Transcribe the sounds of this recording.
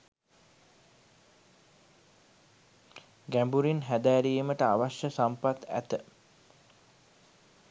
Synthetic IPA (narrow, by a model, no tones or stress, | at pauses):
ɡæmbuɾinɦæd̪æːɾijməʈəaʋaʃjəsampat̪æ̰t̪ə